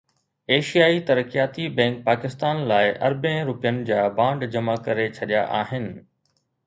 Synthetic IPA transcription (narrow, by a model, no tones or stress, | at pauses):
eːʃijaːit̪ɐɾəkijaːt̪ibɛ̃ːŋk̚paːkɪst̪aːnlaːɪʔɐ̰ɾbə̃ɾʊpijənɪ̆d͡ʑaːbãːɳɖd͡ʑɐmakɐɾet͡ɕʰɐɗija̰ʔaːɦɪnɪ̆